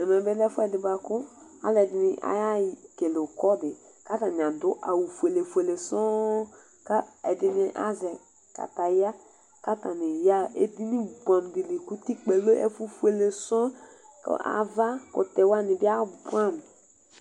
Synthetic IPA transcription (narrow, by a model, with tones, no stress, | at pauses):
ɛ˨mɛ˨bɛ˦lɛ˦fʊ˦ɛ˨dɪ˨ba˨kʊ˦a̰˦lɛ˨dɪ˨nɪ˦ʔa̰˦ja˦˨ke˨le˨kɔ˦dɪ˨ | ka˦ta˨n˨ã˨dʊ˦ʔa˨wu˨fu˨e˨le˨fu˨e˨le˨sɔ˦ | ka˦ɛ˨dɪ˨nɪ˦ʔa̰˦zɛ˨ | ka̰˨ta˨ja˦ | ka˦ta˨nɪ˨ja˦ḛ˦di˦nĩ˦ɡ͡bɔ˨n˨bi˨li˨ku˦ti˦k͡pe˨lo˦ɛ̰˦fu˦fu˦e˨le˨sɔ˦ | ka̰˨va˦kʊ̰˨tɛ˨wa˦nɪ˨bɪ˦a˦bu˦a˦˨n˨